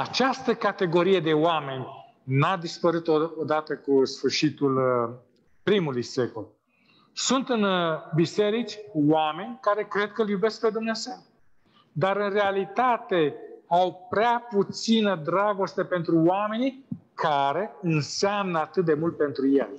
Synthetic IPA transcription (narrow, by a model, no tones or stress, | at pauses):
at͡ʃast̪əkat̪e̞ɡo̞ɾije̞d̪e̞oame̞nʲ | nad̪ispəɾut̪ood̪at̪əkusfɨrʃit̪ul | pɾimulujse̞ko̞l | sunt̪ɨnbise̞ɾit͡ʃʲwame̞nʲkaɾe̞kɾe̞d̪̚kəɨljube̞sk̚pe̞d̪umne̞ze̞w | d̪aɾɨnrealit̪at̪e̞awpɾeaput̪sinəd̪ɾaɡo̞st̪e̞pe̞nt̪ɾuoame̞nikaɾe̞ɨnseamnəat̪ɨt̪̚d̪e̞mult̪̚pe̞nt̪ɾujel